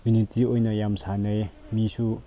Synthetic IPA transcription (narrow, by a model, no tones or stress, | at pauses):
unitiojnɐjamsanejmisu